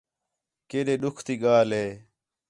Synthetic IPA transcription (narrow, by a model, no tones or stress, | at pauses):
keɗeɗukʰt̪iɡaːleː